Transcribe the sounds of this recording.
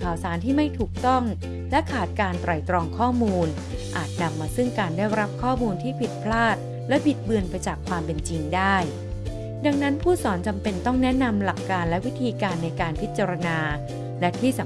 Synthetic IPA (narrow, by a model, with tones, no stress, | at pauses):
kʰaː˨˩wsaː˩˦nt̪ʰiː˥˩ma˥˩jt̪ʰuː˨˩k̚t̪ɔ˥˩ŋ | lɛ˦˥kʰaː˨˩t̪̚kaː˧nt̪ɾa˨˩jt̪ɾɔː˧ŋkʰɔː˥˩muː˧n | ʔaː˨˩t̪̚na˧mːaː˧sɯ˥˩ŋkaː˧ndaː˥˩jɾa˦˥p̚kʰɔː˥˩muː˧nt̪ʰiː˥˩pʰi˨˩t̪̚pʰlaː˥˩t̪̚ | lɛ˦˥pʰi˨˩t̪̚bɯ˧ənpa˧jt͡ɕaː˨˩kʰwaː˧mpe˧nt͡ɕi˧ŋdaː˥˩j | da˧ŋna˦˥npʰuː˥˩sɔː˩˦nt͡ɕa˧mpe˧nt̪ɔ˥˩ŋnɛ˦˥na˧mla˨˩kːaː˧nlɛ˦˥wi˦˥t̪ʰiː˧kaː˧nːa˧jkaː˧npʰi˦˥t̪̚t͡ɕa˧ɾa˧naː˧ | lɛ˦˥t̪ʰiː˥˩sa˨˦